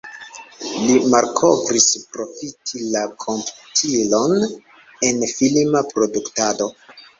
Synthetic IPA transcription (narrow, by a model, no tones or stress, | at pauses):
limaɾkʰo̞vɾispɾo̞fitʰilakʰo̞mputʰilo̞n | e̞nfilmapɾo̞duktado